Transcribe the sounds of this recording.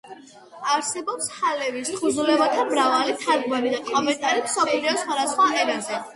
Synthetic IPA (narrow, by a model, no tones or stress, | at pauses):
aɾsɛbɔpshalɛvisχʰuzulɛbat̪ʰamɾavalit̪ʰaɾɡmaɾid̪akʼɔmɛnt̪ʼaɾimsɔpʰliɔsχwad̪asχwaʔɛɾazɛ